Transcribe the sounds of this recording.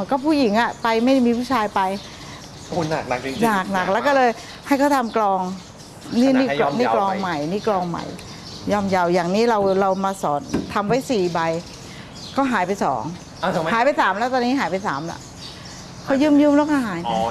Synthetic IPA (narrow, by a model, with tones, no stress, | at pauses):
kɔː˥˩pʰuː˥˩ji˩˦ŋʔa˨˧˩pa˧jma˥˩jmiː˧pʰuː˥˩t͡ɕʰaː˧jpa˧j | na˨˩k̚a˧˩knaː˨˩k̚na˨˩k̚lɛ˦˥wkɔː˥˩lɤː˧j | ha˥˩jkʰɔː˥˩t̪ʰa˧mklɔː˧ŋ | niː˥˧˥nː˥˩˧niː˦˥klɔː˧ŋma˨˩jniː˦˥˩klɔː˧ŋma̰˨˩j | jɔː˥˩mja˧wjaː˨˩ŋniː˦˥ɾa˧wɾa˧wmaː˧sɔː˩˦nt̪ʰa˧mwa˦˥jsiː˨˩ba˧j | kɔː˥˩ɦaː˨˦jpa˧jsɔ̰ː˩˦ŋʰ˧˩˨ | haː˨˩˦jpa˧jsaː˩˦mlɛː˦˥t̪ɔː˧nːi˦˥ɦaː˩˦jpa˧jsaː˩˦mla̰˧˩ʔ | kʰɔ˧˥˩jɯː˥˩mjɯː˥˩˨mlɛː˧˥wkɔː˥˩ɦaː˨˩˦ja˧